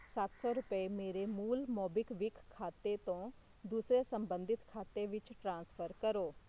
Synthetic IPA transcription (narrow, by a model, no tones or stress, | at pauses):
sat̪sɔːɾʊpəemeːɾemuːlmɔːbɪkʋɪkʰːaːt̪et̪õː | d̪uːsɾeːsəmbənd̪ɪt̪kʰaːt̪eʋɪt͡ʃʈɾãːnspʰəɾkəɾoː